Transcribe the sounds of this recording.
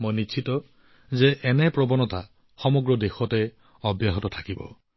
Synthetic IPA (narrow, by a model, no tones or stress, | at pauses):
mojnit͡ʃʰitɔ | zeʔɛnɛpɹɔbɔnɔta | xɔmɔɡɹɔdexɔtɛ | ɔbjaɦɔtɔtʰḁkibɔ̰